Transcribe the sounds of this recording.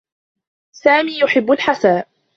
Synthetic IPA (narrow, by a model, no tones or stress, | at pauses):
saːmiːjʊħɪbːʊlħasaːʔ